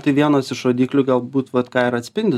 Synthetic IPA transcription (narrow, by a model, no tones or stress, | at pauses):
t̪ɐɪʋʲiɛnoːsɪʃoːd̪ʲiːklʲʊɡɐlˠbuːt̪ʋɐt̪kɑːɪɾɐt̪ʲsʲpʲɪnʲd̪ʲɪ